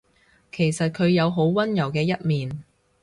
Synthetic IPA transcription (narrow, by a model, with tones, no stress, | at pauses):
kʰe˨˩jsɐ˨t̚kʰɵ˨˧ɥjɐ˨˧wɦo˨˥wwɐ˥njɐ˨˩wkɛː˧jɐ˥t̚miː˨n